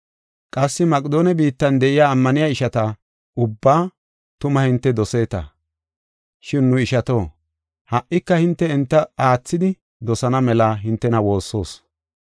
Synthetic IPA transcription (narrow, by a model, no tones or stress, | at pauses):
kʼɐsːɪmɐkʼɪd̪o̞ːnɛbiːt̪ːɐnd̪ɛʔɪjaːmːɐnɪjaːɪʃɐt̪ɐ | ʊbːaː | t̪ʊmɐhɪnt̪ːɛd̪ɔse̞ːt̪ɐ̰ | ʃɪnːʊɪʃɐt̪o̞ː | hɐʔːɪkːɐhɪnt̪ːɛːnt̪ːɐaːt͡sːɪd̪ɪ | d̪ɔsɐnɐmɛlɐɦɪnt̪ːɛnɐwo̞ːsːo̞ːs